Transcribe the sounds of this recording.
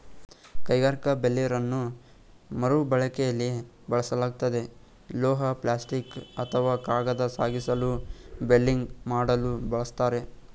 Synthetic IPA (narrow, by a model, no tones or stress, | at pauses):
kɐjɡaːɾikɐbelːijɐɾɐnːu | mɐɾubɐɭɐkɛjɐlːi | bɐɭɐsɐlaːɡut̪ɐd̪e̞ | lɔːɦɐplaːsʈikɐt̪ʰɐʋaːkaːɡɐd̪ɐsaːɡisɐlubelːiŋɡmaːɽɐlubɐɭɐst̪aːɾe̞